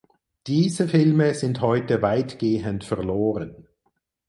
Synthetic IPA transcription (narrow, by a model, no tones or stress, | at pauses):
d̥iːzəfɪlməzɪnthɔʏtəvaɪtɡ̥eːəntfɛɐloːʁən